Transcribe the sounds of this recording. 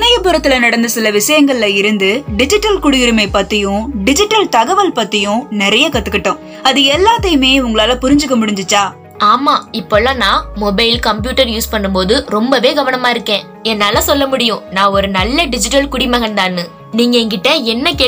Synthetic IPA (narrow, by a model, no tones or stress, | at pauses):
nɐjɐpʊɾɐt̪ːɪlɐnɐɽɐnd̪ɯsɪlɐʋɪʂɐjɐŋɡɐɭɪlɐɪɾɯnd̪ɯɖɪd͡ʒɪʈːɐlkʊɽɪjɪɾɯmɐɪpːɐt̪ːɪjʊ̃ɖɪd͡ʒɪʈːɐlt̪ɐɣɐʋɐlpɐt̪ːɪjʊ̃nɪɾɐjɐkɐt̪ːɯkːɐʈːʊ̃ː | ɐðɯɛlːaːt̪ːɐjɯmeːʊŋɡɐɭaːlɐpʊɾɪɲd͡ʒɯk̬ːɐmʊɽɪɲd͡ʒɯt͡ʃːaː | aːmaːɪpːoːɭːaːnãːmɔbɐɪlkɐmpjuːʈɐɾjuːspɐɳːɯmpoːðɯɾɔmbɐʋeːɡɐʋɐnɐmaːɪɾɯkːẽː | ɛnːaːlaːsɔlːɐmʊɽɪjʊ̃nãːɔɾɯnɐlːɐɖɪd͡ʒɪʈːɐlkʊɽɪmɐɣɐnd̪aːnːɯ | niːŋɡɐɛŋɡɪʈːɐɛnːɐkeː